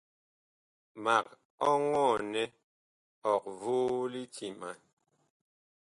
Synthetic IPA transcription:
ma˨k̚ | ɔ˦ŋɔ˦˨nɛ˦ | ɔ˨k̚vuː˦li˦ti˨ma˨n

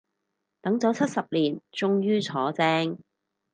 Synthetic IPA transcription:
t̪ɐ˨˥ŋt͡sɔː˨˥t͡sʰɐ˥t̚sɐ˨p̚liː˨˩nt͡sʊ˥ŋjyː˥t͡sʰɔː˨˥t͡sɛː˥ŋ

